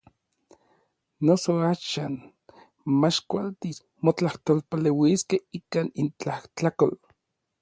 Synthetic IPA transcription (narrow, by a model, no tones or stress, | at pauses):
nosoaːʃan | mat͡ʃkʷalt̪is | mot͡ɬaht̪olpalewiskehikanint͡ɬaht͡ɬakol